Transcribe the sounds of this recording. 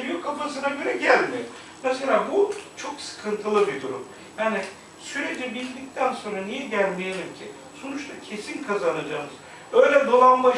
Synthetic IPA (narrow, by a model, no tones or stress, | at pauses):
jykʰːafasɯnaɟø̞ɾɛɟælʲmijo | naselʲaːbut͡ʃʰo̞ksɯ̥kʰɯnt̪ʰɯlˠɯbid̪uɾum | jaːni | syɾed͡ʒɛbilʲd̪ic̚t̪ʰænso̞nɾanijɛɟælʲmejelʲimcʰi | sonut͡ʃt̪ʰacʰe̞sinkʰazanad͡ʒaːmɯz̥ | ø̞jlʲɛd̪o̞lˠanma